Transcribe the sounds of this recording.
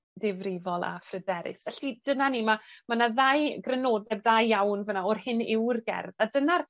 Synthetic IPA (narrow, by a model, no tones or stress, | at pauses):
dɪvrɪvɔlˠa̰frɛdɛɾɪ̰svɛɬid̥ənanimamanaðajɡrɛnoːdɛbdajːawnvənaɔrhɪnɪwrɡɛ̰rðadənar